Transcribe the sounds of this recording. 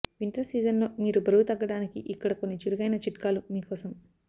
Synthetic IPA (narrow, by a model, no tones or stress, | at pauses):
ʋiɳʈɐɾsiːd͡ʒɐnlo̞ːmiːɾubʱɐɾɐwut̪ɐɡːɐɽaːnikiʔikːɐɽɐko̞nːit͡ʃuɾuɡɐjnɐt͡ʃiʈkaːlumiːkɔːsɐm